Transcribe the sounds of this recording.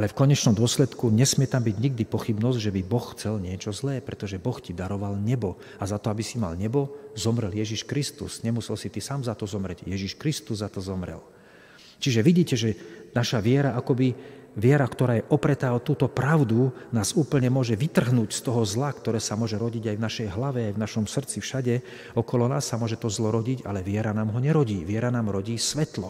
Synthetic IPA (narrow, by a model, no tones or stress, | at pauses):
alɛfkɔɲɛt͡ʃnɔmd̪ʊɔslɛt̪kuɲɛsmɪɛt̪ambiɟɲiɡd̪ipɔxibnɔzɟʒɛbibɔxxt͡sɛlɲɪɛt͡ʃɔzlɛːpɾɛt̪ɔʒɛbɔxcid̪aɾɔʋalɲɛbɔ | azat̪ɔabisima̰lɲɛbɔzɔmɾɛljɛʒiʃkɾist̪ṵsɲɛmusɛlsit̪isaːmzat̪ɔzɔmɾɛɟjɛʒiʃkɾist̪uzːat̪ɔzɔmɾɛ̰l | t͡ʃiʒɛʋiɟiːcɛʒɛnaʃaʋɪɛɾaakɔbiʋɪɛɾakt̪ɔɾaːjɛʔɔpɾɛt̪aːɦɔt̪uːt̪ɔpɾaʊd̪unaːzuːpl̩ɲɛmʊɔʒɛʋit̪r̩ɦnuːcst̪ɔɦɔzlakt̪ɔɾɛːsamʊɔʒɛɾɔɟiɟajvnaʃɛjɦlaʋɛajvnaʃɔmsr̩t͡sifʃaɟɛ | ɔkɔlɔnaːsːamʊɔʒɛt̪ɔzlɔɾɔɟiɟa̰lɛʋɪɛɾanaːmɦɔɲɛɾɔɟiːʋɪɛɾanaːmɾɔɟiːsʋɛt̪lɔ